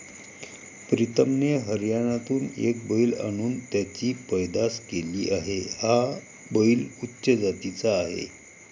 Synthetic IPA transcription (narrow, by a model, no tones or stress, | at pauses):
pɾit̪əmneɦəɾjaɽ̃at̪uːnḛk̚bəila̰ɽ̃uːnt̪jat͡ɕiːpəjd̪askeliːʔaɦeha | bəilutːɕəd͡zat̪it͡saːɦḛ